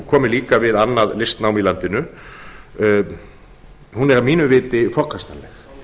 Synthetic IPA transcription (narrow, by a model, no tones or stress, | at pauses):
kʰɔːmɪliːkavɪðanːaðlɪst̪naːwmilant̪ɪnʏ | hunɛɾavmiːnʏvɪːt̪ɪfɔhkast̪anlɛx